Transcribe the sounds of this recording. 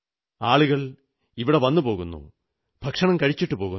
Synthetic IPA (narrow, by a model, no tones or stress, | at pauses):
aːɭuɣɐɭ | iʋiɽeʋɐnːupo̞ːɣunːṵ | bʱɐkʂɐɳɐmkɐɻit͡ɕːiʈːɨpo̞ːɣu